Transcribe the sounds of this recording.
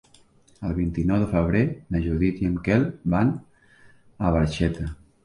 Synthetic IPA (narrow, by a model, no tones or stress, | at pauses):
əlˠβint̪inɔwðəfəβ̞ɾenəʒuðit̪jəmkɛlˠban | əβəɾʃɛt̪ə